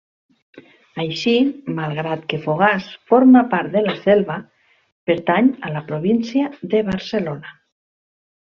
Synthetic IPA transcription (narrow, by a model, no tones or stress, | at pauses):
ajʃimalˠɣɾat̪kefoɣasfoɾmapaɾt̪d̪elasɛlβa | peɾt̪aɲalapɾoβinsjaðeβaɾselona